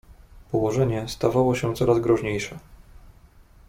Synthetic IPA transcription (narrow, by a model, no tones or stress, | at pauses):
pɔwɔʐɛɲɛst̪avawɔɕɛt̪sɔɾazɡɾɔʐɲejʂɛ